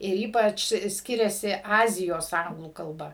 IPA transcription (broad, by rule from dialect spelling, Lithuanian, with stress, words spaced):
ɪr ˈiːpɐt͡ʃ ˈsʲkʲɪrʲɛsʲɪ ˈɑːzʲɪjoːs ˈɐŋɡlˠuː kɐlˠˈbɐ